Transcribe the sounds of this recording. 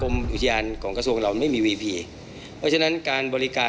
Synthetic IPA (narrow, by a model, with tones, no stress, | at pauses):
kʰo˧mʔu˨t̪ʰa˧jaː˧nkʰɔː˩˦ŋka˧su˧əŋɾla˧wma˥˩jmiː˧wiː˧pʰiː˧ | pʰɔː˦˥t͡ɕʰa˧na˦˥nkaː˧nbɔː˧ɾi˦kaː˧